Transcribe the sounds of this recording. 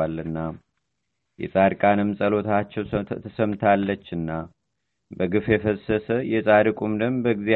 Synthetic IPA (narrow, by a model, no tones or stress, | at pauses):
alɨnːa | jɛ̰sʼaɾkʼanɨmsʼəlo̞t̪ʰat͡ʃːɛwt̪ʰəsəmt̪ʰalːət͡ʃːɨnːa | bəɡɨfjɛfəsːəsəjɛsʼad̪ɨkʼumd̪əmbəɡzia